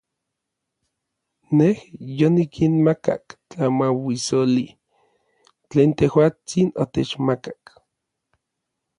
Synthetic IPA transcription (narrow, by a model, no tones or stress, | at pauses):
nehjonikʰinmaka̰kt͡ɬamawisoli | t͡ɬeːnt̪ehwaːt͡sino̰t̪et͡ʃmakak